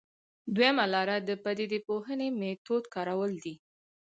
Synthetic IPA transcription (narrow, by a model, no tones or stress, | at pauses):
d̪wajamalɑɾad̪əpad̪ed̪epoɦənemet̪od̪kɑɾawəld̪i